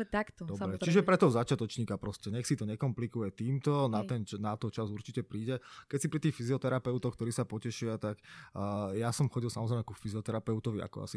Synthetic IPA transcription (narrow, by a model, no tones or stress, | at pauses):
t̪akt̪ɔd̪ɔbɾɛt͡ʃiʒɛpɾɛt̪ɔɔzat͡ʃat̪ɔt͡ʃɲiːkapɾɔscɛɲɛxsit̪ɔɲɛkɔmplikujɛt̪iːmt̪ɔnat̪ɛnnat̪ɔt͡ʃazuɾt͡ʃicɛpɾiːɟɛkɛcsipɾit̪iːxfiziɔt̪ɛɾapɛʊt̪ɔxk̚t̪ɔɾiːsapɔcɛʃɪat̪akː | jasɔmxɔɟilsamɔzɾɛɪmɛkufiziɔt̪ɛɾapɛʊt̪ɔʋia̰kɔ̰a̰si